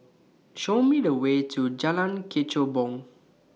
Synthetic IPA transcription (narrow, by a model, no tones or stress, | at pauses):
ʃomidəwetʰud͡ʒalãnkʰet͡ʃobɔ̃ŋ